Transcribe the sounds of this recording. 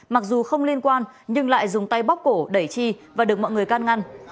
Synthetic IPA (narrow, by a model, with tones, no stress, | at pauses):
ma˨˩k̚zu˨˩xə˧wŋ͡mli˧ənkwaː˧n | ɲɨ˧ŋla̰ː˧˨jzʊ˨˩ŋ͡mt̪a˧jɓa˦˥wk͡p̚ko˧˩ɗə˧˩jt͡ɕi˧vaː˨˩ɨ˨˩k̚mɔ̰˧˨jŋɨ˨˩əjkaː˧nŋa˧n